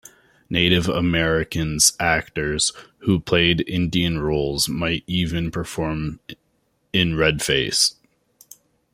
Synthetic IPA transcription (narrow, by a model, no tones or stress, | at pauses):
neɪɾɨvə̰mɛɹɪkɨ̃nz̥ʔæk̚tə˞z̥hupʰl̥eɪɾɪ̃ndiɨ̃nɹoʊlˠzmaɪɾivɨ̃npʰə˞fɔɹm | ɪ̃nɹɛd̥feɪs